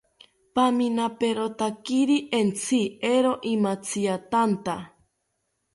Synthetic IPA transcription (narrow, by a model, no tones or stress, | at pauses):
paminapeɾot̪akiɾiʔent͡sʰieɾoʔimat͡sʰiat̪ant̪a